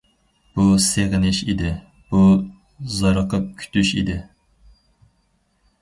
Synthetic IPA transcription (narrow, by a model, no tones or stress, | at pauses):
b̥useʁɪnɪʃid̪ɪ | b̥u | zɑɾɑqʰɑkʲʰy̥t̪ʰyʃḭd̪ɪ